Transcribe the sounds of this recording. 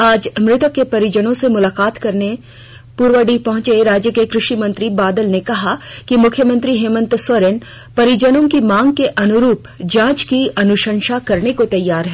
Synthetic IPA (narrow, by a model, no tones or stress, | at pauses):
aːd͡ʒmɾɪt̪əkːepɐɾɪd͡ʒənõsemʊlaːkaːt̪kɐɾne | puːɾwəɖipɐɦʊ̃t͡ʃeɾaːd͡ʒjəkekɾɪʃimɐ̃nt̪ɾibaːd̪əlnekɐɦakimʊkʰjəmə̃nt̪ɾiɦeːmə̃nt̪swɐɾen | pɐɾɪd͡ʒənõkimãːŋɡ̚keʔɐnʊɾuːp | d͡ʒãːt͡ʃkiɐnʊʃə̃nʃakɐɾnekot̪ɐjːaːɾɦɛː